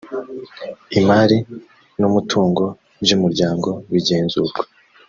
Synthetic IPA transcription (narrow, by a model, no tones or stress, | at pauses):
imaːɾi | numutʰuːŋɡo̞ | bjuːmuɾɟaːŋɡo̞βiɟe̞ːnzuːɾɡwe